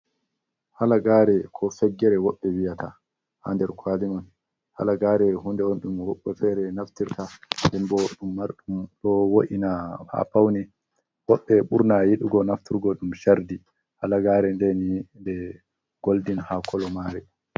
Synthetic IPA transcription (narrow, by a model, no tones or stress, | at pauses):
halaɡaːɾɛkʰɔfɛɡːɛɾɛwɔɓːɛwijatʰa | ha̰ndɛɾkʰwaliman | ha̰laɡaːɾɛhundɛɔnɗumwɔɓːɛfɛɾɛnaftiɾtaɗɛmbɔɗumːaɾɗumɗɔwoʔinaha̰pawni | wɔɓːɛɓuɾnajiɗuɡɔnaftiɾɡɔɗumʃaɾdi | halaɡaːɾɛndenindɛ | ɡ̥oldinhakʰɔlɔmaːɾɛ